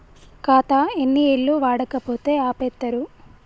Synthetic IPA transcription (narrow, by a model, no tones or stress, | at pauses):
kaːt̪ɐenːieɭːuʋaːɽɐkɐpo̞ːt̪e̞ːaːpɛt̪ːɐɾu